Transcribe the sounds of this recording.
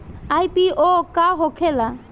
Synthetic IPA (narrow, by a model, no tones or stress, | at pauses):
ajpiokaɦokʰela